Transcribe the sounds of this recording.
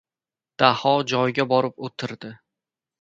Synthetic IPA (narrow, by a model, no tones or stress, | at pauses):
d̪̥ahɒd͡ʒɒjɡʲabɒɾɪpot̪ʰɪɾd̪ɪ